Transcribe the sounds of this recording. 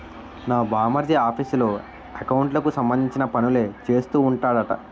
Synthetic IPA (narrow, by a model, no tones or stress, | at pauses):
naːbaːmɐɾd̪iaːpʰislo̞ː | ɐkɐwuɳʈlɐkusɐmbɐnd̪iɲt͡ʃinɐpɐnule̞ːt͡ʃe̞ːst̪uːɳʈaːɽɐʈɐ̰